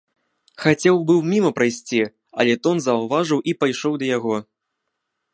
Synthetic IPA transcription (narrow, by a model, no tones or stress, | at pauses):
xat͡sʲɛwbɨwmʲimɐpɾajsʲt͡sʲi | ɐ̰lʲɛt̪ɔnzɐwvaʐɨwʔipajʂɔwd̪ɐjaɣɔ